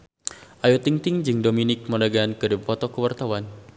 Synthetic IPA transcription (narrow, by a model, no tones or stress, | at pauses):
ʔajot̪iŋt̪ɪŋd͡ʒɨŋdominɪk̚məlaɡaankədibupɔt̪ɔkəwart̪awan